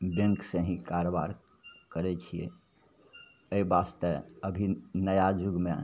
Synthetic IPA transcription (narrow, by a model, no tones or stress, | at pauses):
bẽŋksẽɦĩkaɾoba̰ɾ | kəɾɛt͡ʃʰijḛ | əibast̪əəbʱinəjad͡ʒuɡme